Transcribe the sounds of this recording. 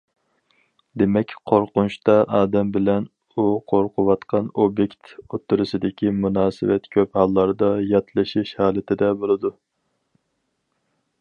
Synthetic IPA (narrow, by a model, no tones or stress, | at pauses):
d̪emɛkʲqʰoɾqʊnuʃt̪ɑʔɑːd̪ɛmbɪlɛn | uqʰoɾqʰʊwɑt̪qʰɑnobjekʲt̪ot̪ʰːuɾɨsɨd̪ɪkʲimunɑːsɪ̰wɛt̪kʲʰøphɑlˠːɑɾd̪ɑjɑt̪ʰlˠɨʃiʃhɑːlˠɨt̪ʰɪd̪ɛbolˠɨd̪u